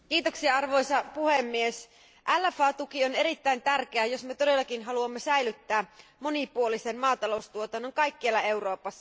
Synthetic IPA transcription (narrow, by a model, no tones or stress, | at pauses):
kiːt̪oksiɑɑrʋo̞jsɑpuhemːies | ʔælːæfɑːt̪ukione̞ɾit̪ːæint̪ærk̟eæjo̞smet̪ode̞lːɑkinɦɑluɑmːesæilyt̪ːæːmo̞nipuolisenmɑːt̪ɑlo̞ust̪uot̪ɑnːoŋkɑjkːiɑlːɑe̞wro̞ːpɑsːɑ̥